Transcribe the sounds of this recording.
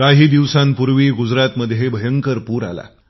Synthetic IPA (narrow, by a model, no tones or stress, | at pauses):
kaɦiːd̪iʋsãmpuɾʋiːɡud͡zɾat̪məd̪ʱjebʱəjəŋkəɾpuːɾa̰la̰